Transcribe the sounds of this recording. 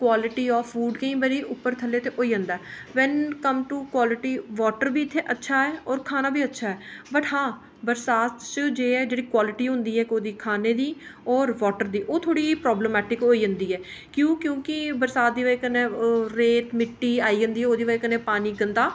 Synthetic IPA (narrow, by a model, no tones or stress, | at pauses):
kwaːlɪʈiːɔːfʰuːɖkə̃ĩːbəɾiːʊpːəɾt̪ʰəlːeːt̪eːʔoːiːə̃nd̪aːɛːʋɛnkəmʈuːkwaːlɪʈiːʋɔːʈəɾbiːɪt̪ʰːeːʔətːʃʰaːɛːɔːɾkʰaːnaːbʱiːətːʃʰaːɦɛːbəʈɦãː | bəɾsaːt̪t͡ʃəd͡ʒeːɛːd͡ʒeːɽiːkwaːlɪʈiːɦʊ̃nd̪iːɦɛːkoːd̪iːkʰaːneːd̪iːɔːɾʋɔːʈəɾd̪iːʔoːt̪ʰoːɽiːpɾɔːbləmɛːʈɪkɦoːiːɦə̃nd̪iːɛː | kjõːkjõːkɪbəɾsaːt̪̚d̪iːʋəekənːẽːɾeːt̪mɪʈːiːaːiːɦə̃nd̪iːɛːoːd̪iːʋəekənẽːpaːniːɡənd̪aː